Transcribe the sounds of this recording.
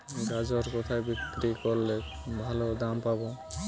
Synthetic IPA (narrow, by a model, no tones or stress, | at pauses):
ɡad͡ʑɔɾkɔt̪ʰajbikɾikoɾle | bʱalod̪ampabo